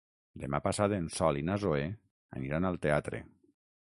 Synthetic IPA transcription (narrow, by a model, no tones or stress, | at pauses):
d̪emapasaðensɔlinazoe | a̰niɾanalˠt̪eat̪ɾḛ